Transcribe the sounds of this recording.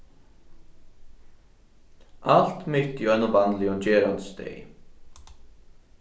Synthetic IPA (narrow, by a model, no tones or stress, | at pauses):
ʔalt̪mɪt̪juɛnːʊvanlɪʊnt͡ɕɛːɾant̪st̪ɛ̰j